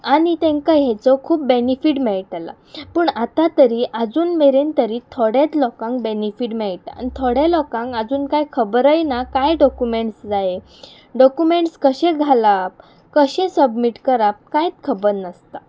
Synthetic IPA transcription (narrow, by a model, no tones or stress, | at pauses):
añit̪ẽŋkaɦɛt͡sɔkʰuːp̚benifiːʈmɛɭʈala̰ | pəːɳat̪at̪əɾiːʔəd͡zuːnmeɾent̪əɾiːt̪ʰoɽjat͡slɔkãŋkbenifiʈmɛɭʈ̪aa̰nit̪ʰoɽjalɔkãŋkəd͡zuːnkajkʰəbɾəjnakajɖɔkjumeɳʈsd͡zaje | ɖɔkjumeɳʈskəɕẽɡʱalap̚ | kəɕẽsəbmiʈkəɾap̚kajt͡s̪kʰəbəɾnəst̪a